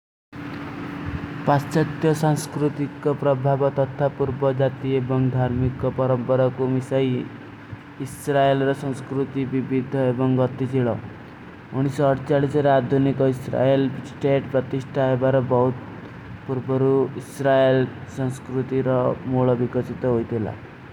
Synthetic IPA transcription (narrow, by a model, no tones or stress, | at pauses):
past͡ʃɔt̪jɔsãŋ̃skɾut̪ikɔpɾɔbʱabɔt̪ɔt̪ʰapuɾbɔd͡ʒat̪iebɔŋd̪ʱaɾmikɔpɔɾɔmpɔɾakumisaj | isɾaelɾɔsɔ̃skɾut̪ibibid̪ʱɔebɔŋɡɔt̪it͡ʃʰiɭɔ̰ | uɽ̃isɔːɽt͡ʃaɭisɔɾead̪ʱunikɔisɾa̰elsʈeʈpɾɔt̪isʈʰaɦebaɾɔbɔɦut̪̚ | puɾbɔɾuisɾaelsɔ̃ŋskɾut̪iɾɔmuɭɔbikɔsit̪ɔɦojt̪ʰila̰